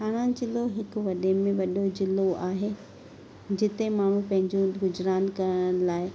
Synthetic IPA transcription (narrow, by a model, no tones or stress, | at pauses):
ɦaːɽ̃ãd͡ʑɪloɦɪkʋɐɗemẽʋɐɗod͡ʑɪloʔaːɦeː | d͡ʑɪt̪emaːɳ̤ũpɐ̃ɦɪ̃ɲd͡ʑũɡʊd͡ʑɾaːnkɐɾəɽ̃laːɪ